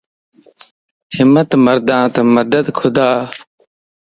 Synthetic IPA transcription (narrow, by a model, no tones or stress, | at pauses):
hɪmːət̪məɾd̪ãːt̪ɐməd̪əd̪kʰʊd̪aː